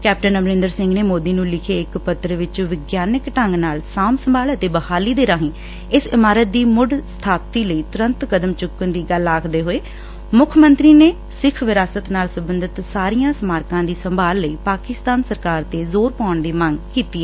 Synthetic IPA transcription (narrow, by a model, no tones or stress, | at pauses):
kɛːp̚ʈənəmɾɪ̃nd̪əɾsɪ̃ŋɡneːmoːd̪iːnũːlɪkʰeːɪkpət̪ɾəʋɪt͡ʃʋɪɡjaːnɪkʈəŋɡnaːlsaːmsəmbaːlət̪eːbəhaːliːd̪eːɾaːɦĩː | ɪsɪmaːɾət̪̚d̪iːmʊɖsə̥t̪ʰaːp̚t̪iːləiːt̪ʊɾənt̪kəd̪əmt͡ʃʊkːənd̪iːɡəlaːkʰd̪eːɦoːeː | mʊkʰmənt̪ɾiːneː | sɪkʰʋɪɾaːsət̪naːlsəbənd̪ɪt̪saːɾijãːsmaːɾkãːd̪iːsəmbʱaːlːəiːpaːkɪst̪aːnsəɾkaːɾt̪eːzoːɾpãːɳd̪iːməŋɡkiːt̪iːɛɛː